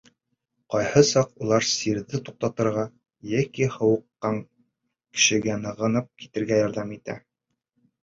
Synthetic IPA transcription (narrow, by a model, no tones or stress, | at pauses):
qɒjhɤsɑqulˠɑɾsiɾðɘt̪uq̚t̪ɑt̪ɤ̆ɾʁɑ | jækihɤ̆wɤ̆qːɑŋ | kɘ̥̆ʃɘ̆ɡænɤ̆ʁɤ̆nɤp̚ki̥t̪ɘ̆ɾɡæjɒɾðɑmit̪æ̰